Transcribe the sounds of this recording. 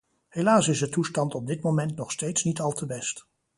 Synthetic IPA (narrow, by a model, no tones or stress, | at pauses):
ɦelaːsɪsdətustɑntɔb̚dɪtmomɛntnɔχstejtsnitɑlˠtʰəbɛst